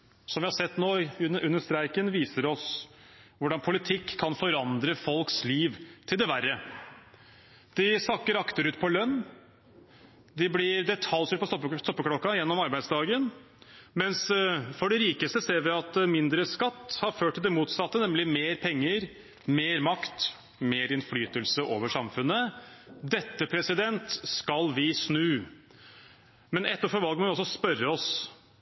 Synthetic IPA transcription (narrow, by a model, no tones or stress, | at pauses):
sɔmʋɪhɑsɛt̪ːnoːʉnːəʂt̪ɾæɪkənʋiːsəɾɔs | ʋʊɖɑnpʰʊlɪt̪ʰɪkʰːɑnfɔɾɑnd̪ɾəfɔlksliːʋt̪ʰɪld̪ɛʋærːə | d̪̥ɪsɑkːəɾɑkt̪əɾʉːt̪̚pʰɔlœnː | d̪ɪblɪɾd̪ɛt̪ʰɑlsʉːt̪pʰɔsɔst̪ɔpːəkʰɽɔkːɑjɛnːɔmɑɾbæɪd̪sd̪ɑːɡən | mɛnsfɔɖɛɾiːkəst̪əseːɾʋɪɑt̪mɪnd̪ɾəskɑt̪ːhɑɾføːʈʰːɪlɪmuːt̪sɑt̪ːənɛmlɪmeːɾpʰɛŋːəɾ | meːɾmɑkt̪ | meːɾɪnflyːt̪əlsəʔoːʋəʂɑmfʉnːəd̪ɛt̪ːəpʰɾɛsɪd̪ɛnt̪skɑlʋɪsnʉː | mɛnɛt̪ːəɾfɔɾʋɑlɡəmɔʋɪɔsːɔspœɾːəɔs